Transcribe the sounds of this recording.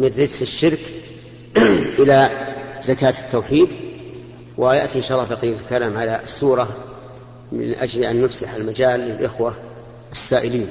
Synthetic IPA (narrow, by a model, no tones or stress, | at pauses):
mɪnːɪdsɪʃːɪɾk | ʔɪlazakaːt̪ɪ̥t̪ːawħiːd̪ | wɪjaʔt̪iʔɪnʃaːlːɑːbɑqijːɪt̪ḁkalːamʕalaʔsːuːɾˤɑ | mɪ̰nʔad͡ʒlʔanːʊfsaħalmad͡ʒaːlːɪlʔɪxwa | ɪsːaːʔɪliːn